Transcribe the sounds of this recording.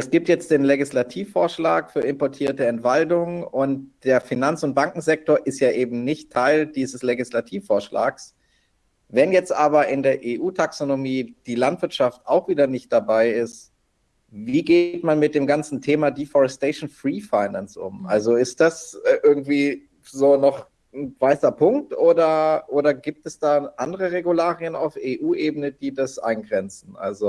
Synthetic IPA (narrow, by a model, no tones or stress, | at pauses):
ʔɛsɡ̥iːp̚tjɛt͡std̥eːnleɡɪslatʰiːfːoːɐʃlaːkfyːɐɪmpɔɐtʰiːɐtəɛntv̥aldʊŋəʊnt̚d̥eːɐfinant͡sʊnt̚b̥aŋkŋ̩zɛk̚toːɐʔɪstjaːʔeːbm̩nɪçtʰːaɪldiːzəsleɡislatʰiːfːoːɐʃla̰ːks | vɛnjɛt͡stʔaːbɐɪndeːɐʔeːʔuːtʰaksonomiːd̥iːlantv̥ɪɐtʃaftaʊxv̥iːdɐnɪçt̚d̥abaɪɪst | viːɡeːtmanmɪt̚d̥eːmɡant͡sn̩tʰeːmadifɔʁɛsteʃn̩fʁiːfaɪnansʔʊ̰mʔa̰lzoɪst̚d̥asʔɪɐɡŋ̩tv̥iː | zoːnɔχ | n̩vaɪsɐpʰʊŋk̚tʔoːdɐʔoːdɐɡiːp̚tɛsd̥aːʔandəʁəʁeɡulaːʁiəna̰ʊfeːʔuːʔeːbənədiːdasʔa̰ɪnɡʁɛnt͡sn̩ʔa̰lzo